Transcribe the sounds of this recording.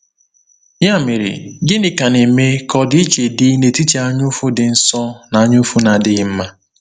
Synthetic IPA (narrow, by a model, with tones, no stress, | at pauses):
ja˦me˨ɾḭ˨ɡɪ˦nɪ˨ka˨ne˨me˦kɔ˦di˦t͡ʃe˨dɪ˦ne˨ti˦t͡ʃe˨a˦ɲʊ˦fʊ˦dɪ˨n̩˦sɔ˦na˨a˦ɲʊ˦fu˦na˨dɪ˦ɣɪ˦m̩˦ma˦